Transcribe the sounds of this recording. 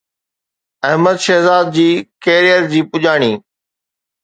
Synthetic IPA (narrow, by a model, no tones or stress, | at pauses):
ɐɦməd̪ʃɛɦzaːd̪̚d͡ʑiːkeːɾijəɾd͡ʑiːpʊʄaːɽ̃iː